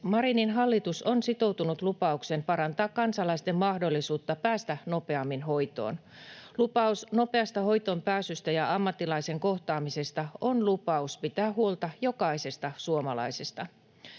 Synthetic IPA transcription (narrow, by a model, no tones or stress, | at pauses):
mɑɾininɦɑlːit̪usonsit̪o̞wt̪unut̪lupɑuksenpɑɾɑnt̪ɑːkkːɑnsɑlɑist̪emːmɑhdo̞lːisuːt̪ːɑpæːst̪æno̞pe̞ɑmːinɦo̞jt̪o̞̰ːn | lupɑusno̞pe̞ɑst̪ɑho̞jt̪ompæːsyst̪æjɑɑmːɑt̪ːilɑise̞ŋko̞ht̪ɑːmise̞st̪ɑo̞nlupɑuspit̪æːhuolt̪ɑjo̞kɑise̞st̪ɑsuomɑlɑ̰jse̞st̪ɑ